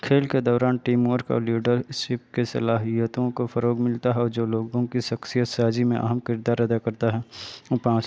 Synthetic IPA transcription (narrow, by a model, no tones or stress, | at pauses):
kʰeːlked̪ɔːɾaːnʈiːmoːɾka̰liːɖəɾʃɪp̚kesɐlaːɦijət̪õkofəɾoːɡmɪlt̪aɦɛɔɾd͡ʒoːloːɡõkiʃɐksijət̪saːd͡ʒimẽʔɐ̰ɦəmkɪɾd̪aːɾɐd̪akəɾt̪aɦɛːpãːt͡ʃ